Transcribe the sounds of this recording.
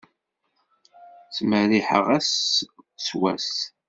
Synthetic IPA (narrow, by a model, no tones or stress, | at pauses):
t͡sməɾiħə̰ʁæs | swæ̰s